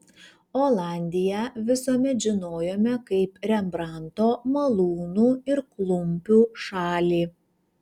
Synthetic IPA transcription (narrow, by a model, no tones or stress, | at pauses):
oːlˠɑˑnʲd̪ʲɪjɛʋʲɪsoːmʲɛt̪ʒʲɪnoːjoːmʲɛkɐɪpɾʲɛmbɾɑˑnt̪oːmɐlˠuːnuːɪɾklˠʊmʲpʲuːʃɑːlʲiː